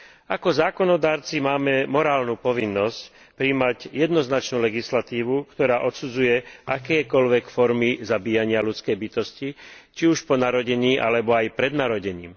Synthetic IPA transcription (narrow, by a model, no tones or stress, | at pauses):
akɔzaːkɔnɔd̪aːɾt͡simaːmɛmɔɾaːlnuːpɔʋinːɔsc | pɾiːmaɟjɛd̪nɔznat͡ʃnuːlɛɡislat̪iːʋukt̪ɔɾaːʔɔt̪sud͡zujɛʔakɛjkɔʎʋɛkfɔɾmizabiːjaɲɪalut͡skɛjbit̪ɔscit͡ʃiuʃpɔnaɾɔɟɛɲiːʔa̰lɛbɔajpɾɛd̪naɾɔɟɛɲḭːm